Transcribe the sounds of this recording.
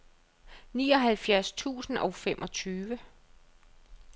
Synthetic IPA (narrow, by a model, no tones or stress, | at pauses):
niːɒ̽ɦælfjæɐst͡sʰṵːsn̩ɒʊfemʔɒ̽t͡sʰyːʋə